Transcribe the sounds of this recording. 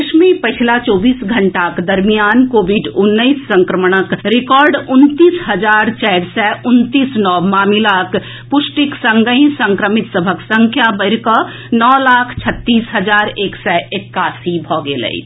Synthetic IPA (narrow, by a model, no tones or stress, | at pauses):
ʃmipɐt͡ʃʰlat͡ʃɔːbiːsɡʱɐɳʈakd̪ɐɾmijaːnkoːʋɪɖʊnːəisːə̃ŋkɾəmɽ̃əkɾɪkɔːɾɖʊnt̪iːsɦɐd͡ʒaːɾt͡ʃɛːɽsɛʔʊnt̪iːsnɔːmaːmilak | pʊʃʈɪksɐ̃ŋɡəĩsə̃ŋkɾəmɪt̪səbʱəksə̃ŋkʰjabəɪɾkə | nɔːlaːkʰt͡ʃʰɐt̪ːiːsɦɐd͡ʒaːɾeːksɛʔekːaːsibʱɔːɡelə̰ḭ